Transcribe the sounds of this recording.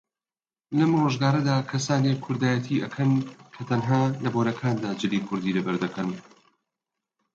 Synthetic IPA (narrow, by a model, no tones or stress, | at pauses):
lɐmroːʒɡaːɾɐd̪aːkʰɐsaːnekʰːʊɾd̪aːjɛt̪ʰiːʔɐkʰɐnkʰɐt̪ʰɐnɦaːlɐboɾɐkʰaːnd̪aːd͡ʒɨliːkʰʊɾd̪iːlɐbɐɾd̪ɐkʰɐn